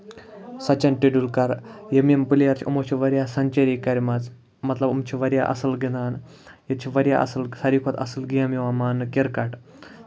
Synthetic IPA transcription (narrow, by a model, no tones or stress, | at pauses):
sɐt͡ɕɐnʈiɖulkɐɾjemempɨlijɐɾt͡ʃʰṵmot͡ʃʰiʋɐɾʲjasɐɲt͡ʃeɾikɐɾʲmɐt͡s | mɐt̪lɐbumt͡ʃʰiʋɐɾja̰ʔɐ̰sɨlɡind̪aːn | jet͡ʃʰiʋɐɾja̰ʔɐ̰sɨlsɐɾikʰot̪ɐ̰sɨlɡijamiʋamaːnːɨkeɾkaʈ